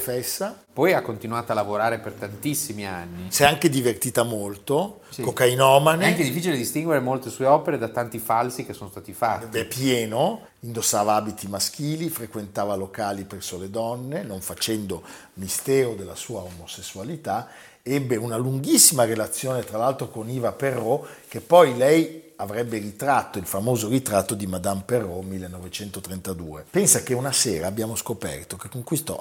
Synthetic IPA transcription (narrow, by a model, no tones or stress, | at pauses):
fɛsːa | pɔjakːont̪inwaːt̪alavoɾaːɾepert̪ant̪isːimianːisɛaŋked̪ivert̪iːt̪amolt̪o | skokainɔːmaneɛaked̪ifːiːt͡ʃiled̪ist̪iŋɡweɾemolt̪esueɔːpeɾed̪at̪ant̪ifalsikesːoːnost̪aːt̪ifaɛiepjɛːno | ind̪osːaːvaaːbit̪imask̟iːlifɾekwent̪aːvalokaːlipɛrsoled̪ɔnːenoɱfat͡ʃɛnd̪o | mist̪ɛːɾod̪elːasuːaomosesːualit̪a | ɛbːeunaluŋɡisːimaɾelat̪sːjoːnet̪ɾalalt̪ɾokoniːvaperːɔk̟epːɔjlɛjavɾɛbːerit̪ɾat̪ːoilfamoːzoɾit̪ɾat̪ːod̪imad̪amperːɔmːilːenːovet͡ʃɛnt̪ot̪ɾent̪ad̪ṵːepɛnsakeunaseːɾaːbːjaːmoskopɛ̰rt̪ok̟ekːoŋkwist̪ɔ̰